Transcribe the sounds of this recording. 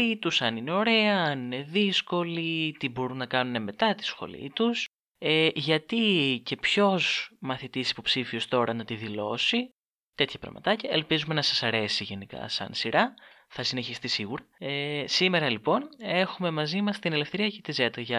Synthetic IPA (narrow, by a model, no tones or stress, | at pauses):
it̪usɐnine̞o̞ɾe̞ɐːnine̞ðisko̞lit̪ibo̞ɾunːɐkɐnune̞me̞t̪ɐt̪i̥sxo̞̰lḭt̪us | eʝɐt̪ice̞pço̞zmɐθit̪isi̥po̞psifio̞st̪o̞ɾɐnɐt̪iðilo̞si | t̪e̞t̪çɐpɾɐ̰ɣmɐ̰t̪ɐcɐe̞lpizume̞nɐsɐsɐɾe̞siʝe̞nikɐ̰sɐ̰nsiɾʔɐθɐsine̞çist̪isiɣuɾɐesime̞ɾɐlipo̞ne̞xume̞mɐzimɐst̪ine̞le̞fθe̞ɾiɐcet̪ize̞t̪ɐʝɐ